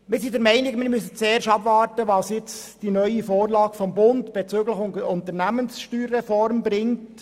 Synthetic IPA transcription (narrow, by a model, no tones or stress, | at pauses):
mɪɾsidəɾmɛɪnɪɡmɪɾmysət͡seːɾʃɑbʋɑːɾtəʋɑːsjɪt͡sd̥inœʏifoːrlɑːɡ̥fɔmbʊntb̥ɛt͡søːɡləxʊntəɾnæmənsʃtyːɾːɛfɔɾmbɾɪŋt